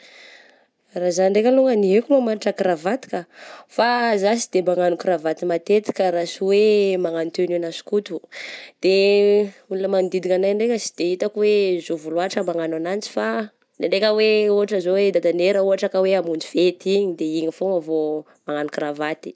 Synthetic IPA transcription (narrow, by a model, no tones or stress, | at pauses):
razanɳɖ͡ʐekʲəluŋəniɦekulomanaʈ͡ʂəkiɾavat̪i̥kəfazas̬id̪emaŋanukiɾavat̪imat̪et̪i̥kəɾasiwemaŋanit̪enianasi̥kut̪ud̪̥e | ulunəmamid̪id̪ikanajɳɖ͡ʐekʲəsi̥d̪̥eit̪akwezovuluaʈ͡ʂəmaŋananant͡si̥fa | neɳɖ͡ʐekʲəweuɦaʈ͡ʂəzowed̪ad̪aneɾəuɦaʈ͡ʂəkaweamund͡ʒifet̪iɲid̪eiɲifoŋavo | maŋanukiɾavat̪i̥